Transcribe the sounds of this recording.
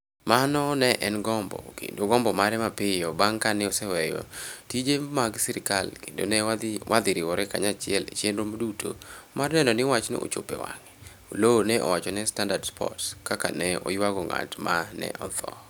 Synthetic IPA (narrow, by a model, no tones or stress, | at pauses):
manɔnɛʔɛnɡɔmbɔ̰kḛndoɡɔmbɔmaɾɛmapɪjɔbaŋkanɪɔsɛwɛjɔ̰tid͡ʒemaɡsiɾɪkalkendo̰nɛwʔad̪ɪɾɪwɔɾɛka̰ɲat͡ʃɪɛlḛt͡ʃenɾomodutʰomarnɛnɔnɪwat͡ʃnḛʔo̰t͡ʃopɛwa̰ŋi | olonɛʔɔ̰wat͡ʃɔnɛstandadspʰɔ̰tskaka̰nɛɔ̰jwaɡɔŋa̰tmanɛ̰ʔɔt̪ɔ̰